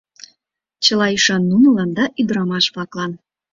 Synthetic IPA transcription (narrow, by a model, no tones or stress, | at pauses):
t͡ɕəlɑiʃɑnːunə̆lɑnd̪ɑʔyd̪əɾɑmɑʃβlɑklɑn